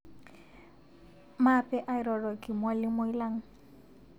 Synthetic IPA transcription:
ma˦pʼɛ˦ʔa˦ɪ˦ɾɔ˨rɔ˨kɪ˨ma˦lɪ˦mo˦i˦la˦ŋ̩˦

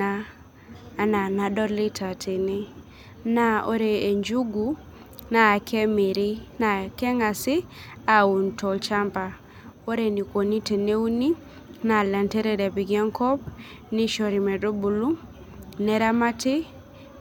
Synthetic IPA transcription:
aː˦˨ | na˨na˨dɔ˦ɾli˦tʰa˨tʰi˨nɪ˦ | na˦o̰˦ɾe˨e˨ɲd͡ʒu˦ɡu˦ | na˨kʰɛ˦mi˨ɾi˦na˨kɛ˦ŋa˨sɪ˦a˨u˨ntɔ˨lt͡ʃa˦mpa˨ | o˦ɾe˨ni˨ko˨ni˦te˨ne˦u˦ni˦ | na˨la˨ntɛ˦ɾɛ˦dɛ˨bi˨ɡɛ˦ŋkɔ˦p̚ | ni˦ʃɔ˨ɾi˨mɛ˨do˦bu˨lu˦ | nɛ˦ɾa˦ma˦tɪ˦

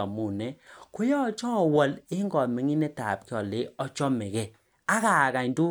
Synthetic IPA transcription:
ɔ˨mu˦˨nɛ˦kʊ˦jɔ˦˨t͡ʃɔ˦˨wɔ˨lɪ˦ŋɡɔ˨mɪ˨ŋi˦nɛ˦ta̰˨p̚kɪ˦ɔ˨lɪ˦ɔ˦t͡ʃɔ˦mɪ˨kɛ˨ | a˦ka˨ka˨ɲdʊ˦

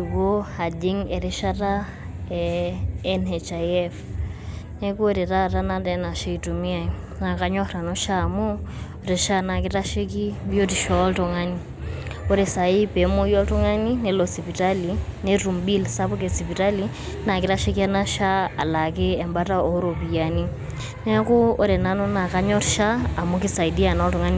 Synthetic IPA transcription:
u˨ko˦ha˨di˦ŋɛ˨ɾe˦ʃa˦ta˦ | ɛː | nɛ˨t͡ʃa˨ɛf | ne˦ko˦ɾɛ˨ta˦ta˦na˦tɛ˦na˨ʃe˦i˨tu˨mi˦a˦ | na˨ka˦ɲɔ˦ɾa˨nɔ˦ʃamu˦ | ɾe˨ʃa˦na˨ki˦ta˦ʃi˦ki˦bjo˦ti˨ʃɔ˦ltɔ˨ŋa˦ni˦ | o˦ɾi˨sa˨i˦pe˨mu˦jɔ˦ltu˦ŋa˦ni˦ne˨lo˨si˨pi˨ta˦line˦ru˨mbi˦lsa˦pu˦k̬esi˨pi˨ta˦li˦ | na˨ki˦ta˦ʃi˦ki˦a˦na˦ʃaː˦˨la˨kɛ˦ɛ˨mba˦ta˦o˦ɾo˨pi˨jani˦ | ne˦kuː˦ɾe˨na˦no˦na˨ka˦ɲɔ˦rʃaː˦˨mu˦ki˦sa˨i˨di˦a˨nɔ˦ltu˨ŋa˦ni˨

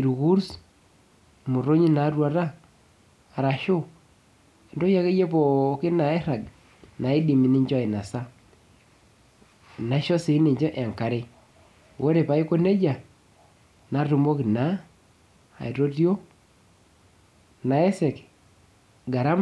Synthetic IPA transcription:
i˨ɾu˨ɣu˦ɾs | mu˨ɾo˦ɲi˦na˨rwa˨ɾaː˦˨ | ɾa˨ʃʊ˦ | e˨ndo˦ja˦ke˦je˦pɔ˨kɪ˦na˨ɛ˦ɾa˨ɡ | na˨i˦di˨mi˨nɪ˦ɲd͡ʒi˨na˨sa˦ | na˨ʃɔ˦se˨i˦nɪ˨ɲd͡ʒɔ˦ʔɛ˨ŋka˨ɾe˦ | wo˦ɾe˨pa˨˦i˦ko˦ne˦d͡ʒa˨ | na˨ru˨mo˦ki˨na˦ | a̰˨i˨ɾo˦ti˦o˦ | na˨e˦sɛ˨k | ɡa˨ɾa˦m

